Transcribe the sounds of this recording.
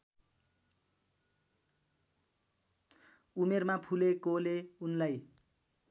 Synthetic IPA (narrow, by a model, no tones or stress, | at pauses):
umermapʰulekoleunlaj